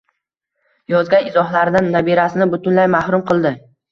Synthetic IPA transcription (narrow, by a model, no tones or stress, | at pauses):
jɒzɡʲanɪzɒhlaɾd̪anːabiɾasɪnɪbʊt̪ʊnlajmahɾʊmqʰɨlˠd̪ɪ